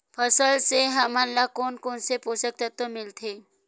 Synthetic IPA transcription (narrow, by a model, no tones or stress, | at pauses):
pʰəsəlseɦɐmanlakoːnkoːnseposək̚t̪ət̪omɪlt̪ʰeː